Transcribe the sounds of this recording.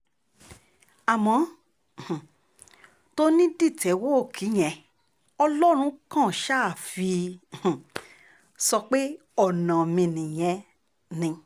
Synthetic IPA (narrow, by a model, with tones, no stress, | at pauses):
a˨mɔ̃˨˦˨ | h̩˨ | to˦nĩ˦di˦˨tɛ˨˦wo˦o˦˨kʰi˨˦j̃ɛ̃˨˧ | ɔ˧lɔ˦ɾ̃ũ˧˦kã˦˨ʃa˦˨fĩ˧˨ | sɔ˧k͡pe˦ | ɔ˦˨nã˨mĩ˧nĩ˨j̃ɛ̃˧ | nĩ˧